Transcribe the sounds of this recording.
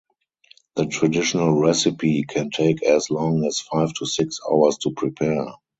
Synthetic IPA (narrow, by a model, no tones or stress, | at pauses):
ðətʰɹadɪʃənəlɹɛsɪpikʰɛ̃ntʰeɪkʰɛslɔ̃ŋɛsfaɪftʰusɪksa̰ʊə˞stʰupʰɹipʰɛ